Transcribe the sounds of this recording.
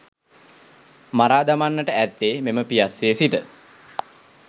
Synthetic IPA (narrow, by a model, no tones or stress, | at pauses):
maɾaːd̪amanːəʈəæt̪ːeːmeməpijasːeːsiʈə